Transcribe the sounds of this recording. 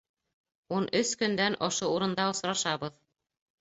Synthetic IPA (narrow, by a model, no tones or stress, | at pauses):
unʔɵskɵ̆nd̪ænʔoʃouɾɤ̆nd̪ɑŏsɾɑʃɑβɤð